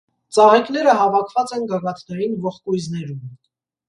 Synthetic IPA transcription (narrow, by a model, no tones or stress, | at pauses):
t͡sɑʁɛknɛɾəɦɑvɑkʰvɑt͡sɛnɡɑɡɑt̪ʰnɛɾinvɔχkujznɛɾum